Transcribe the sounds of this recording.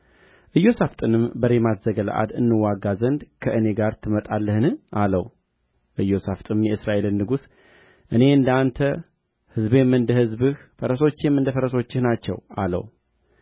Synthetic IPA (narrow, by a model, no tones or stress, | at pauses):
ʔɨjːo̞saft̪ʼɨnɨmbəɾemat̪z̥əɡəla̰ʔa̰d̪ɨnːɨwːaɡːazənd̪kʰəʔɨne̞ɡaɾt̪ʰɨmət̪ʼalːəhnɨʔaləw | ʔɨjːo̞saft̪ʼɨmjɛɨsɾaʔe̞lɨnːɨɡus | ʔɨne̞ɨnd̪əant̪ʰə | hɨzbjɛmːɨnd̪əhɨzbɨhfəɾəso̞t͡ʃːɛmːɨnd̪əfəɾəso̞t͡ʃːɪhnat͡ʃːɛ̰walə̰w